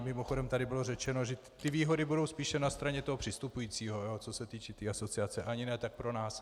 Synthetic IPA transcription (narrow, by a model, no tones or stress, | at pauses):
mɪmo̞xo̞dɛmt̪adɪbɪlo̞rɛt͡ʃɛno̞ʒɛ | t̪ɪviːɦo̞dɪbudo̞wspiːʃɛnast̪ɾaɲɛt̪oɦopr̥ɪst̪upujiːt͡siːɦo̞joːt͡so̞sɛt̪iːt͡ʃɛt̪iːaso̞t͡sɪat͡sɛʔaɲɪnɛt̪ak̚pɾo̞naːs